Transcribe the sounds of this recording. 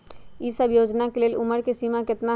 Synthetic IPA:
iːsəbjoːd͡ʒnakeleːlʔʊməɾkesiːmãkɪt̪na

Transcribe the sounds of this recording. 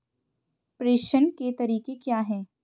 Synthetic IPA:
pɾeːʃənket̪ɐɾiːkekjaːɦɛː

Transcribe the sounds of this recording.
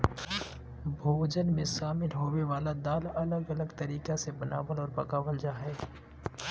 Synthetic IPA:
bʱooːd͡ʒənmẽsaːmɪlɦoːweʋaːlad̪aːlɐləɡɐləɡt̪ɐɾiːkasebɐna̰ːʋəlɔːɾpɐkaːʋəld͡ʒaːɦɛː

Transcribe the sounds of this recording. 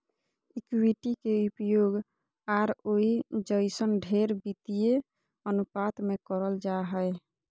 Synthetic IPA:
ikwiʈikeupjoɡ | aɾoid͡ʒəɪsənɖʱeɾbit̪ije | ənupat̪mekəɾəld͡ʒaɦəe

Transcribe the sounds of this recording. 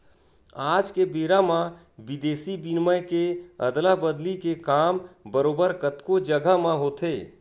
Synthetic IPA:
ad͡ʒkebeɾamã | bid̪eːsibinməjkeə̰d̪labəd̪likekaːmbəɾoːbəɾkət̪kod͡ʒəɡʱəmãɦot̪e

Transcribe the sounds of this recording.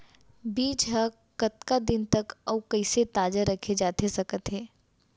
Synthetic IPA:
biːd͡ʒɦɐ | kɐt̪kad̪ɪnt̪ɐkɔwkɐɪset̪aːd͡ʒəɾɐkʰed͡ʒaːt̪esɐkət̪ɦeː

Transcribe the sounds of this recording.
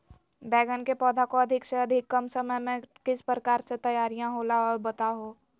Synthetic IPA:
bɛːɡənkepɔːd̪ʱakoɐd̪ʱɪkseɐd̪ʱɪkːəmsəməjmẽkɪspɾəkaːɾset̪əɐjaːɾijãɦolaɔːɾbɐt̪aɦoː

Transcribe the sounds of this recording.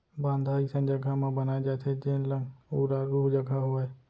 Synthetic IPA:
bãːnd̪ʱaːisə̃nd͡ʒəɡʱamãbənaːed͡ʒaːt̪ʰed͡ʒeːnlə̃ŋuːɾaɾuːɦd͡ʒɐɡʱaɦoae

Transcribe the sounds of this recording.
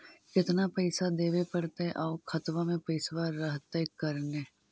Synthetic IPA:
kɪt̪napɐɪsad̪eːʋepɐɽt̪eʔɔːkʰɐt̪ʋamẽpɐɪsʋaɾːəɦt̪ekɐɾneː

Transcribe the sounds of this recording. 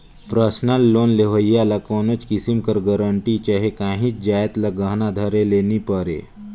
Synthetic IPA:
pɾəsnəlːoːnleʋəjalakoːnot͡ʃkɪsimkəɾɡɐɾəɳʈit͡ʃaɦekãːɦĩt͡ʃd͡ʒaːjt̪lɐɡəɦnad̪ʱɐɾeleːnipəɾḛː

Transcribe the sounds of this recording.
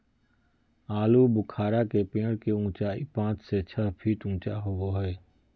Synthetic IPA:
aːlubʊkʰaːɾakepẽːɽkeũːt͡ʃaipãːt͡ʃset͡ʃʰəɦpʰiːʈũːt͡ʃaɦoɡoɦɛː

